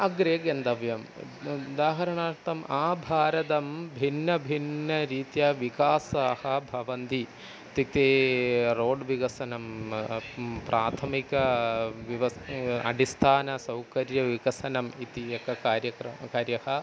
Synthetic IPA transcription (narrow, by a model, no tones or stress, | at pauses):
ɐɡɾeːɡend̪ɐʋjɐmd̪aːɦɐɾɐɳaːɾt̪ɐmaːbʱaːɾɐt̪ɐmbʱinːɐbʱinːɐɾiːt̪jɐʋikaːsɐhɐbʱɐʋɐnd̪i | t̪it̪eːɾoːɖʋiɡɐsɐnɐm | pɾʔaːt̪ʰɐmikɐʋiʋɐɐ̰ɖist̪ʰaːnɐsɐwkɐɾjɐʋiɡɐsɐnɐmit̪iɐkɐkaːɾjɐkɾɐkaːɾjɐhɐ